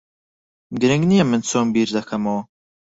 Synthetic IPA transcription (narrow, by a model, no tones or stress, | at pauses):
ɡɨɾɨŋɡnijɐmɨnt͡sʰoːmbiːɾd̪ɐkʰɐmoː